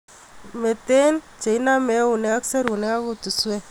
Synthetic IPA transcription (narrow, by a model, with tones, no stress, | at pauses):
me˨te˦n | d͡ʒe˨i˦na˦mɛ˦u˨nɛ˦ka˦kse˦ɾu˨nɛ˦ka˦ku˦tu˨swɛ˦